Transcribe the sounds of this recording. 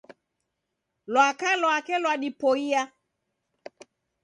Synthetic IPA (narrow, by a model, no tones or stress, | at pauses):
lwakalɔakɛlwaɗipoia